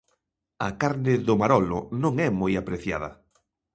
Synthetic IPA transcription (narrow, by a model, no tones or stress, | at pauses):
ɐ̰kaɾnɪðʊmaɾɔlʊ̰nõŋɛmɔjapɾeθja̰ð̞ɐ̰